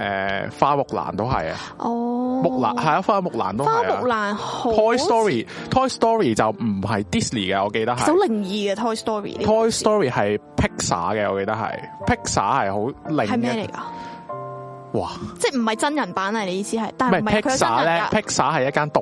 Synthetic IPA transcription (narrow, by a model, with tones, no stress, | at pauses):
ʔɛ̰ː˨faː˧mʊ˨k̚la̰ː˨˩nt̪o˥wɦɐ̰˨jɐ̰˧ | ʔɔː˧mʊ˨k̚la̰ː˨ɦɐ˨˩ja˧faː˧mʊ˨k̚la̰ː˨˩nt̪o˥aː˧jmʊ˨˧k̚laː˨˩nho˨t̪ʰɔː˥jst̪ɔː˥ɹiː˨˩t̪ʰɔː˥jst̪ɔː˥ɹiː˨˩t͡sɐ˨wm̩˨˩ɦɐ˨jt̪iː˥slḭː˨˩kɛː˧ɔː˨˧ke˧jt̪ɐ˥hɐ˨hwlɪ˨˩ŋjiː˨˧ɡɐː˧t̪ʰɔː˥jst̪ɔː˥ɹḭ˨˩˥t̪ʰɔː˥jst̪ɔː˥ɹiː˨˩hɐ˨jpʰɪ˥k̚sa̰ː˨˥ɡɛ˧ɔː˧ke˧jt̪ɐ˥k̚hɐ̰˨˩jpʰɪ˥k̚sa̰ː˨˥hɐ˨jɦo˨˥wlɪ˨ŋ˨ɐ˨jmɛː˥lḛ˨˩jka˧ | waː˨˩t͡sɛː˥˩m̩˨˩hɐ˨jt͡sɐ˥njɐ˨˩npaː˨˥nɐ˨ne˨˧jiː˨˧siː˥hɐ˨jt̪aː˨mɐ˨˩mʰ˨ɪ˥kːsaː˨˥lɛː˥pʰɪ˥k̚saː˨˥ɦɐ˨jːɐ˥t̚kːaː˥nt̪ʊ˨k̚